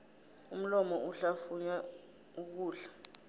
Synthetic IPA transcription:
um̩lɔmɔuɬafuɲa | uk̬uːɬḁ

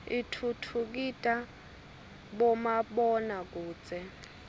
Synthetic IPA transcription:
itʰutʰuk̬itʼa | ɓɔmaɓɔnak̬uːt͡sʼɛ

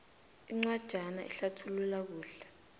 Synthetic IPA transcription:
iŋ͡ǀwad̥ʒ̥ʱanaʔḭɬatʰululak̬uːɬɛ

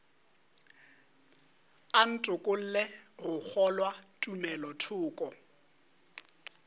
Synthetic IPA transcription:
an̩tʼʊkʼʊl̩leɣʊk͡xʰɔlwatʼumɛlɔtʰʊːkʼɔ

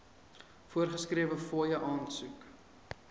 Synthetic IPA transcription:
fuərχəskriəvəfoəjəʔɑːnsuk

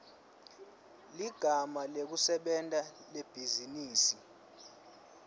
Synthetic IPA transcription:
liɡ̥ʱamalek̬usɛɓɛntʼaleb̥ʱiziniːsi

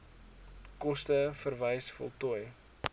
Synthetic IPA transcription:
kɔstəfərvəjsfɔ̰lˠtɔj

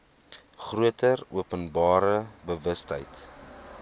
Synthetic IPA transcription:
χruətəruəpənbɑːɾəbəvəstɦə̰jt

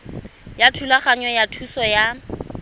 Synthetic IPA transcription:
jatʰulaχaɲɔjatʰusɔja

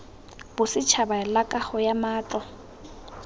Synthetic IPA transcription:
b̥ʊsɪt͡ʃʰabaɛlakʼaχɔjamaːt͡ɬɔ

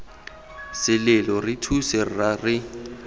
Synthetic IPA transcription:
sɪlɪlɔrɪtʰusɪr̩rarɪ

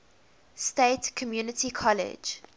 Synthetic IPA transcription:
steɪtkʰɔmjuːnətikʰɔlɪ̰d͡ʒ

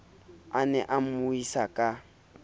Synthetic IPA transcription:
anɛʔamʊisakʼa

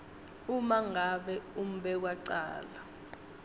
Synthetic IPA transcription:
umaŋaɓɛum̩ɓɛk̬waǀa̰ːla

